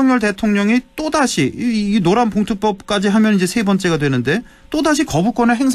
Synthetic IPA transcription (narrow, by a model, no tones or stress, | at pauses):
ʌŋjʌɭte̞tʰoŋɲʌŋit͈odaɕʰiːnoɾampoŋtʰuk̚p͈ʌp̚k͈ad͡ʑiɦamjʌnid͡ʑe̞sʰe̞bʌnt͡ɕ͈e̞ɡadwe̞nɯnde̞ | t͈odaɕ̬ʰikʌbuk͈wʌneɦe̞ŋsʰ